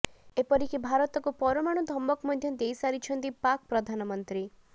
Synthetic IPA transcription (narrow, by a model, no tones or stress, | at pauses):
epɔɾikibʱaɾɔt̪ɔkupɔɾɔmaɽ̃ud̪ʱɔmːɔkmɔd̪ʱjɔd̪ejsaɾit͡ʃʰɔnt̪ipak̚pɾɔd̪ʱanɔmɔnt̪ɾi